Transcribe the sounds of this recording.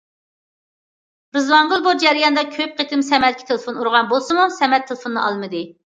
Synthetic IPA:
ɾɨzwɑŋʁəlˠboɾd͡ʒɛɾijɑnd̪ɑkʲʰøp̚qet̪ɪmsɛmɛt̪̚kʲi̥t̪ʰelˠɨfonuɾʁɑnbolˠsɨmusɛmɛt̪ʰːelˠfonːɨɑ̰lˠmɨd̪ɨ

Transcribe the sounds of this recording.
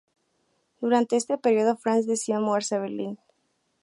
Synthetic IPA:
d̪̥uɾant̪e̞est̪e̞peɾjo̞ðofɾanzd̪esiamweɾsaβeɾlin

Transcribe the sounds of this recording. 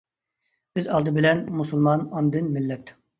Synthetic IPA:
byzɑlˠd̪ɨbɪlɛnmusulˠmɑnɑnd̪ɨnmɪlːɛt̪

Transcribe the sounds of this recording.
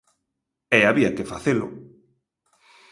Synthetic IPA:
ɛaβiakɪfaθelʊ̰

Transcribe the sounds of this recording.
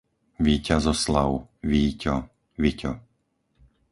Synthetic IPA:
ʋiːcazɔslaʊʋiːcɔ | ʋicɔ

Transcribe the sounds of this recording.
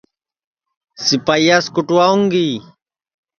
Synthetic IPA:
sipajaskuʈuwauŋɡi

